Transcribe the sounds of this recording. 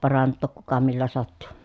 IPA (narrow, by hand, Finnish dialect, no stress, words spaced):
pɑrɑntːoˑk kukɑ milːæ sɑtːu